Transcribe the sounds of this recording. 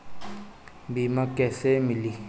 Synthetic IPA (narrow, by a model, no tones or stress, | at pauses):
mbimakʼɛsɛmili